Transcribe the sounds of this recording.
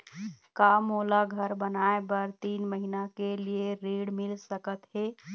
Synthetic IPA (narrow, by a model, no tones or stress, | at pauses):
kamolaɡʱəɾbənaebəɾt̪inməɦinakelieɾeɽmilsəkət̪ɦe